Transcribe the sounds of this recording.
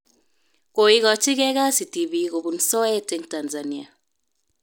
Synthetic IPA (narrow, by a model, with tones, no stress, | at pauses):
ko˨i˦ɣɔ˨t͡ʃɪ˦kɛ˦ɣa˦si˨ti˨βi˨˦ko˨bu˨n̩˨sɔ˦ɛ˦te˦ŋta˨nza˨ni˦a̰˨